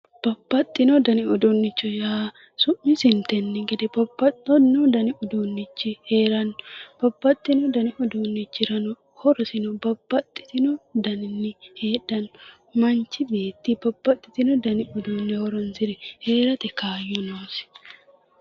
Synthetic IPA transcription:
b̥ɐbːɐt̪ʼːɪnɔd̪ɐnɪɔd̪ɔnːɪt͡ʃːɔjaː | sʊmːɪsɪnt̪ːɛnːɛɡɛd̪ɛbɐbɐtɔnɔd̪ɐnɪʊd̪unːɪt͡ʃːɪheːɾɐnːɔb̥ɐbːɐt̪ʼːɪnɔd̪ɐnɪʔɔd̪unːɪt͡ʃːɪɾɐnɔ | hɔɾɔsɪnɔbɐbːɐt̪ʼːɪ̥t̪ɪnɔd̪ɐnɪnːɪhe̞ːᶑɐnːɔ | mɐnt͡ʃːɪbe̞ːt̪ːɪbɐbːɐt̪ʼːɪt̪ɪnɔd̪ɐnɪʊd̪unːɛhɔɾɔnsɪɾɛhe̞ːɾɐt̪ɛkaːjːɔnoːsɪ̥

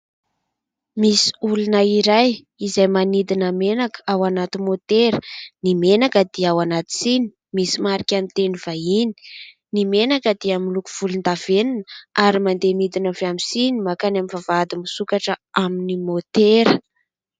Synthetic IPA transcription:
misi̥ulunəiɾaj | izajmanid̪inəmenakawanat̪imot̪eɾənimenakəd̪̥iawanat̪i̥sini̥ | misimaɾikʲanit̪eniv̥aini̥ | nimenakəd̪iamilukuv̥ulund̪av̥eninaɾimand̪enid̪inəveamisinimakanamivavad̪imisukaʈ͡ʂəaminimot̪eɾə

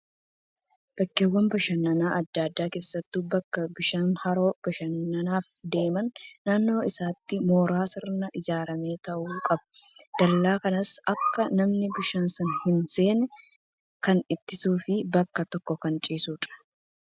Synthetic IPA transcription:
b̥ɐkːeːwːɐmbɐʃɐnːɐnaːʔɐd̪ːaːd̪ːaːke̞ːsːɐt̪ːuːbɐkːɐbɪʃaːnhɐɾo̞ːb̥ɐʃɐnːɐnaːfd̪e̞ːmɐnːaːnːo̞ːɪsaːt̪ːɪmo̞ːɾaːsɪɾnɐʔɪd͡ʒaːɾɐme̞ːt̪ɐʔuːkʼɐbɐ̥ | d̪̥ɐlːaːkɐnɐsɐkːɐnɐmnɪbɪʃaːnsɐnhɪnse̞ːnɛ | kɐnɪt̪ːɪsuːfɪbɐkːɐt̪ɔkːɔkɐnt͡ʃʼiːsuːtʼɐ̥

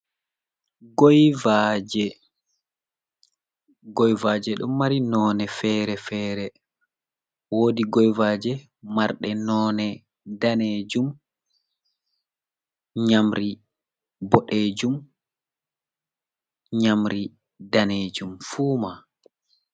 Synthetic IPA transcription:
ɡɔjvad͡ʒɛ | ɡɔjvad͡ʒɛɗɔmːaɾinɔːnɛfɛɾɛfɛːɾɛ | woːdiɡɔjvaːd͡ʒɛ | maɾɗɛnɔnɛ | daneːd͡ʒum | ɲamɾi | bɔɗeːd͡ʒum | ɲamɾi | daneːd͡ʒumfuːma

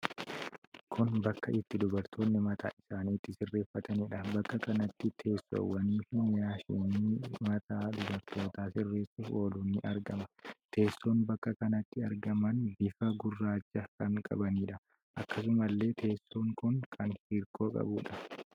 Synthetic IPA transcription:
kʰʊnbɐkːɐʔɪt̪ːɪd̪ʊbɐɾt̪ʰo̞ːnːɪmɐt̪ʰa̰ːʔɪsaːniːt̪ːɪsɪrːe̞ːfːɐt̪ʰɐniːᶑɐbɐkːɐkɐnɐt̪ːɪt̪ʰe̞ːsːo̰ːwɐniːfɪjaːʃɪːnimɐt̪ʰaːd̪ʊbɐɾt̪ʰo̞ːt̪aːsɪrːe̞ːsːʊfo̞ːluːnːɪʔɐɾɡɐmɐt̪ʰe̞ːsːo̞ːnbɐkːɐkɐnɐt̪ːɪɐɾɡɐmɐnbɪfɐɡʊrːaːt͡ʃːɐkɐŋkʼɐ̰bɐniːᶑɐ | ʔɐkːɐs̬ʊmɐlːe̞ːt̪ʰe̞ːsːo̞ːŋkʊŋkʰɐnhiːɾkʰʼo̞ːkʼɐ̰buːᶑɐ

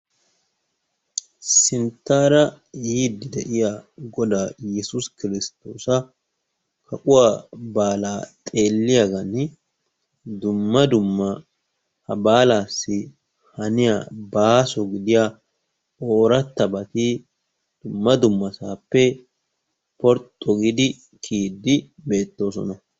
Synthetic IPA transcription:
sɪnt̪aːɾɐ | jiːd̪ɪd̪ɛʔɪjaɡɔd̪aːjɛsʊskɪɾɪst̪o̞ːsɐ | kʰɐkʼʊwabaːlaːt̪ʼe̞ːlːɪjɐɡɐnɪ | d̪ʊmːɐd̪ʊmːɐ | hɐbaːlaːsːɪ | hɐnɪja̰baːsɔɡɪd̪ɪja | oːɾɐt̪ːɐbɐt̪i | d̪̥ʊmːɐd̪ʊmːɐsaːpːɛ | pɔɾt̪ʼːɔɡɪd̪ɪ | kʰiːd̪ːɪbe̞ːt̪ːo̞ːsɔ̰nɐ

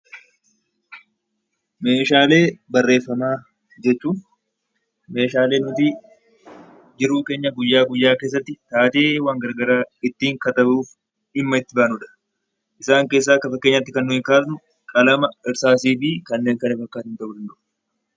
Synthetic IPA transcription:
me̞ːʃaːle̞ːbɐrːe̞ːfːɐmaː | d͡ʒɛt͡ʃːuːn | me̞ːʃaːle̞ːnːʊt̪i | d͡ʒɪɾuːke̞ːɲːɐɡʊjːaːɡʊjːaːke̞ːs̬ːɐt̪ːɪt̪aːt̪e̞ːwaːŋɡɐɾɡɐɾaːɪt̪ːiːŋkɐt̪ɐbuːf | ɪmːɐɪt̪ːɪbaːnʊᶑɐ̥ | ʔɪsaːŋke̞ːs̬ːaːkːɐfɐkːeɲːɐt̪ːɪkɐnːʊɪkaːsnʊ | kʼɐlɐmɐɪɾsaːsiːfiːkɐnːe̞ːŋkɐnɐfɐkːaːt̪ɪnt̪ɐʔʊd̪ɐnd̪ʊʔ

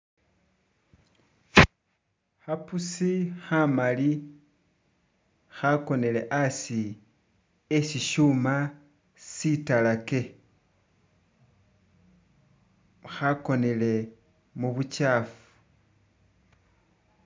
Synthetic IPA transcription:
xapusixamali | xako̞ne̞le̞ʔasi | esiʃuma | sitalake̞ | xako̞ne̞le̞ | muβut͡ʃaːfu̥

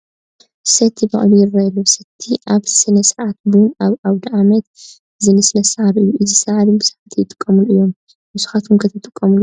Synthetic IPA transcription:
sɐt̪ʰːibɐ̰ʔʼlujrajɐlusɐt̪ʰːiʔaβsɨnɐsɨʕʕat̪̚bunaβʔaβd̪ɐʔamɐt̪ | zɨnɨsɨnɐsɐhaβʔɨjːuʔɨzisɐhaβibɨsɐʕat̪ʰijɨt̪ʼɨ̥kʼːɐmuluɨjːo̞m | musu̥xat̪ʰumkʰɐt̪ʰɐt̪ʼɨkʼːɐmlu

